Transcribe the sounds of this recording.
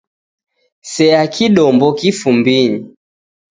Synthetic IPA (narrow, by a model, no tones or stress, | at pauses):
sɛakiɗɔmbɔkifumbiɲi